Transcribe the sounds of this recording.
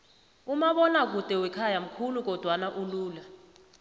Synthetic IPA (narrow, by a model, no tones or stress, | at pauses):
umaɓɔnak̬utʼɛwɛkʰajam̩kʰuluk̬ɔd̥ʱwanaʔuluːla